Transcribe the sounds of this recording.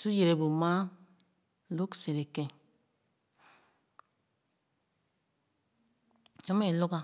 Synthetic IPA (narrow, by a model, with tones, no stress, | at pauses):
su˦je˨ɾe˨bo˨ma˦ | lu˦kse˨ɾe˨kẽ˦ | o˦me˦˨lu˦ka˦